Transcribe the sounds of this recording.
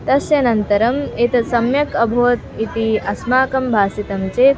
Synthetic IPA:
t̪ɐsjɐnɐnt̪ɐɾɐmeːt̪ɐsɐmjɐkɐbʱoːɐt̪it̪iʔɐsmaːkɐmbʱaːsit̪ɐmt͡ʃeː

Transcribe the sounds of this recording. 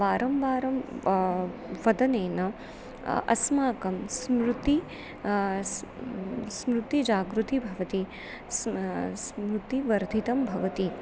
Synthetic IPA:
ʋaːɾɐmʋaːɾɐm | ʋɐd̪ɐneːnɐ | ɐ̰smaːkɐmsmɾut̪i | smɾut̪id͡ʒaːɡɾut̪ibʱɐʋɐt̪i | ssmɾut̪iʋɐɾd̪ʱit̪ɐmbʱɐʋɐt̪i

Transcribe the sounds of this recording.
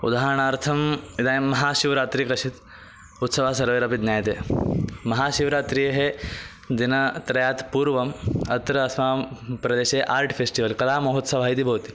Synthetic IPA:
ud̪aːɦɾɐɳ̃aːɾt̪ʰɐmid̪aːjmɐɦaːʃiʋɾaːt̪ɾikɾɐʃit̪ | ut̪sɐʋaːsɐɾʋeːɾɐpit̪njaːjt̪eːmɐɦaːʃiʋɾaːt̪ɾijɐɦe | d̪inɐt̪ɾɐjaːt̪puːɾʋɐmɐt̪ɾɐːsmaːpɾɐd̪eːʃeʔaːɾʈʰfʰesʈiʋɐlkɐlaːmɐɦot̪sɐʋ̤ʱaːɦit̪ibʱɐːt̪i̥

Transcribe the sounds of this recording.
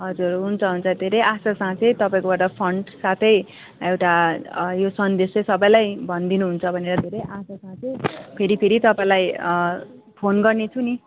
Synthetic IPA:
ɦʌd͡zurɦunt͡sʰʌɦunt͡sʰʌd̪ʱeɾʌjʔasasãt͡sʌ̃j̃t̪ʌpãĩkobaɾʈʌpʰʌɳɖsat̪ʰʌj | ewʈajosʌnd̪eslʌsʌbʌjlajbʱʌnd̪inuɦunt͡sʰʌbʱʌneɾʌd̪ʱeɾʌjʔasasãt͡sʰʌ̃pʰeɾipʰeɾit̪ʌpaĩlaj | pʰonɡʌrnet͡sʰuni

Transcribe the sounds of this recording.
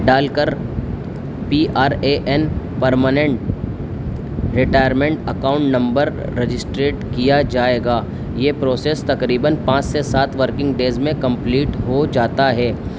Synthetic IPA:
ɖaːlkəɾ | piːʔaːɾeːʔɛn | pɐɾmənẽɳʈ̚ | ɾɪʈaːjəɾmẽɳʈɐ̰kaːʊ̃ɳʈnɐ̃mbəɾːed͡ʒɪsʈɾeːʈkijad͡ʒaːeːɡaː | jeːpɾoːseːst̪ɐkɾiːbənpãːt͡ʃsesaːt̪ʰʋəɾkɪ̃ŋɡɖeːzmẽkɐ̃mpliːʈɦod͡ʒaːt̪aɦɛː

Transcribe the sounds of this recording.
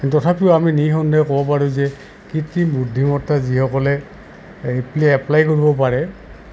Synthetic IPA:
inttɔtʰapiʊaminixɔndɔjkɔbɔp̬aɹuzɛ | kitibudʱːimɔtːazihɔkɔlɛ | epliɛplajkoɹibɔp̬aɹɛ

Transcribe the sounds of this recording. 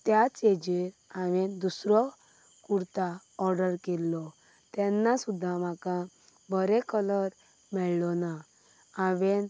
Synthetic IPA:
t̪jat͡sed͡ʑiɾaʋɛd̪usɾɔ | kuɾt̪a | ɔɾɖəɾkɛlːɔ | t̪ɛnːasud̪ʱːãmakã | bʱəɾɛkələɾ | mɛɭlɔna | aʋɛn

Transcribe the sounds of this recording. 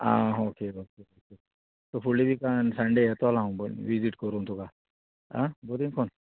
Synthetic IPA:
a̰ːɦoːkeoːkeoːke | t̪opʰulibʱikansãɳɖeɛt̪olãɦũbo̰ʋiziʈkəɾũt̪ʰuka | ã̰bod̪ĩŋkʰɔn

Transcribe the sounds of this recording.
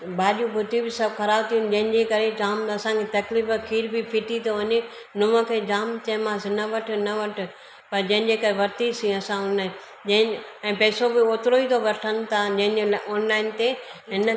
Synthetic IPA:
baːʄũbʱʊt̪ibɪsɐbkʰɐɾaːbt̪ʰijʊ̃nd͡ʑɐ̃ɦɪ̃ɲd͡ʑekɐɾed͡ʑaːmɐsãkʰet̪ɐklifkʰiːɾbipʰiʈit̪oʋɐɲe | nʊmə̃kʰed͡ʑaːmt̪ɐ̃ɦmãːsɪnɐʋɐʈʰnɐʋɐʈ̆ʰ | pɐɾd͡ʑɐ̃ɦɪ̃ɲd͡ʑeːkɐɾeʋɐɾt̪isĩɐsãʊnəɦ | d͡ʑɐ̃ɦɪ̃ɛ̃ːpɛːsobɪoːt̪ɪɾoit̪ʰoʋɐɾʈʰənɪ̆t̪ʰad͡ʑɐ̃ɦɪ̃eoːnlaːɪnt̪eɦɪn

